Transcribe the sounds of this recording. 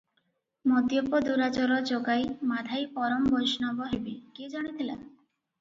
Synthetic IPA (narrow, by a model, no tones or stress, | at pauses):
mod̪jɔpɔd̪uɾat͡ʃɔɾɔd͡ʒoɡajmad̪ʱajpɔɾɔmbojʃnɔbɔɦebekid͡ʒaɽ̃it̪ʰila̰